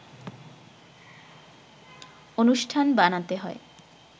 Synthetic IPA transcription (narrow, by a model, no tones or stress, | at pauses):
onuʃʈʰanbanat̪eɦɔe